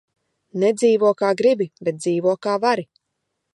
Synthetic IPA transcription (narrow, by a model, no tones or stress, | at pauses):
ned̪ziːvuɔkaːɡɾibibɛt̪̚d̪ziːvuɔkaːvaɾi